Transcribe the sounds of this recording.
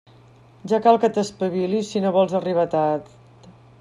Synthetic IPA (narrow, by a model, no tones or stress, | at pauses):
ʒakalˠkət̪əspəβilisinoβɔlˠzəriβat̪a | t̪